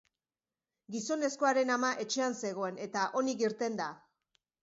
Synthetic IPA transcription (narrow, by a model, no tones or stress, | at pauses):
ɡiso̞ne̞sko̞aɾe̞namaʔe̞t͡ʃe̞anse̞ɣ̞o̞e̞ne̞t̪aʔo̞niɣiɾt̪e̞nd̪a